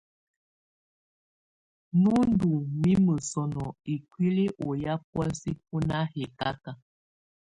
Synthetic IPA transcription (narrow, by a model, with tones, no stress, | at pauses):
nu˦ndu˨ŋmi˦mə˨sɔ˨nɔ˨i˨kwi˦li˦ʔo˨ja˦p̚wɛ˦lsi˦p̚u˦na˦he˨ka˦ka˨